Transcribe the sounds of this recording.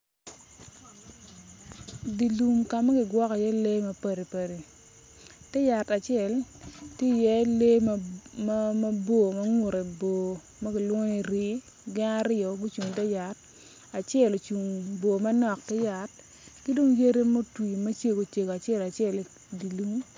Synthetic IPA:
di˨lu˨mka˨mɐ˦ɡɪ˨ɡwɔ˦kɔ˨jɛ˦le˦mɐ˦pɛ˨ɾe˨pɐ˨ɾe˨ | tɛ˦ja˨ta˨t͡ʃɪ˦ɛ˨ltje˦˨jɛ˦le˦ | mɐ˦bo˦˨mɐ˦ŋu˨ɾe˨bo˨ | mɐ˦ɡɪ˨lwɔ˦ŋe˦˨ɾi˦ | ɡɪ˦na˦ɾɪ˦ɔ˨ɡu˦t͡ʃu˨ŋtɛ˦ja˨t̚ | a˨t͡ʃjɛ˦˨lo˨t͡ʃu˨ŋbo˨ma˦nɔ˨k̚tɛ˦ja˨t̚ | ki˦do˦ŋje˦ɾe˦mo˦twi˨me˦t͡ʃje˦˨ɡo˨t͡ʃe˨ɡo˨a˨t͡ʃɛ˦la˨t͡ʃjɛ˦˨l | di˨lu˨m

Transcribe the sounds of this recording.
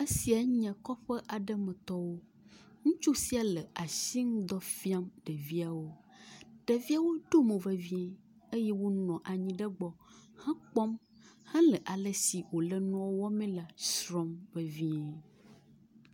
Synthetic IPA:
ə˦si˨a˨ɲɛ̃˨kɔ˦ɸə˦ʔa˨ɖə˦mə̃˨t̪ɔ˦wo˦ | ŋũ˦t͡ʃu˦si˦a˨lə˨a˨si˦ŋ̃˦d̪ɔ˦fi˦a˦mɖə˨vi˦a˨wo˦ | ɖ̥ə˨vi˦a˦wo˦ɖo˦mẽ˨və˨vĩ˦ɛ̃˦ | e˦jɛ˦wo˦nɔ̃˨ʔa˨ɲĩ˦ɖə˦ɡ͡bɔ˦hã˦k͡pɔ˦m | hɛ̃˦lə˨ʔa˨lə˨si˨wo˨lə˦nɔ̃˦wwɔ˦mɛ̃˦la˨sɾɔ̃˦mvə˨vi˦ɛ̃˨

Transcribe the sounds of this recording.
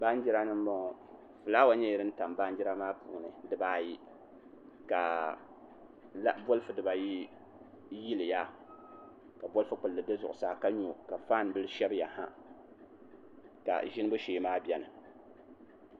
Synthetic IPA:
ba˦n˦d͡ʒi˦ɾa˦nɨ˦m˦mɔ˦ŋ˨ | fɨ˨la˦wa˦ɲɛ˦jɛ˨ɾɨ˦n̩˦ta˨mba˦nd͡ʒi˦ɾa˦maː˦pṵː˨nɨ˨dɨ˦baː˦ji˦ | ka˨ | la˦bo˦lfɨ˨dɨ˨ba˨ji˦ | ji˦lɨ˨ja˦ | ka˨bo˦lfɨ˦k͡pʊ˨lːɨ˨de˦zʊ˨ʔʊ˨saː˨ka˦ɲu˨ka˨faː˦˨n˨bɨ˦lɨ˦ʃɛ˦bja˨hã̰˦ | ka̰˨ʒɪ˦nɨ˦bʊ˦ʃeː˨˦maː˦bʲɛ˦nɨ˨

